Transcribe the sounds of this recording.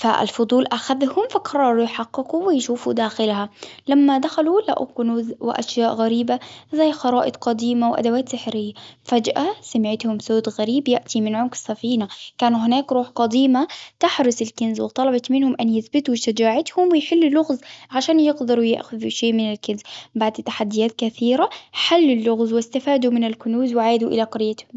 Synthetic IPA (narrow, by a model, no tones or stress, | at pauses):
fa̰ʔlfʊd̪ˤuːlʔaxaðhʊmfakɑɾˤɑːɾˤujħɑqːɪkuwɪjʃuːfud̪aːxɪlhalamːad̪axalula̰ʔʊ̰kʊnuzwɪ̰ʔa̰ʃjaːʔɣaɾiːbazajːxɑɾˤɑːʔɪd̪ˤqɑd̪iːmawʔa̰d̪awaːt̪sɪħɾɪjːafad͡ʒʔasamɪʕɪt̪hʊmsoːd̪ɣaɾiːbjaʔt̪imɪnʕʊmkɪ̥sːafiːnakaːnuɦɪnaːkɾuːħqɑd̪iːmat̪aħɾʊsɪlkɪnzwɪt̪ˤɑlɑbɑt̪mɪnhʊmʔanjɪθbɪt̪uwʃad͡ʒaːʕɪt̪hʊmwɪjħɪlːʊlːʊɣzʕaʃaːnjɪɡd̪ɑɾˤujɪ̰ʔxʊðuʃeːmɪnɪlkɪnzbaʕd̪t̪ːaħad̪ːɪjaːt̪kaθiːɾaħalːɪlːʊɣzwɪst̪afaːd̪umɪnɪlkʊnuːzwɪʕaːd̪uʔɪ̰laqɑɾɪjːat̪hʊm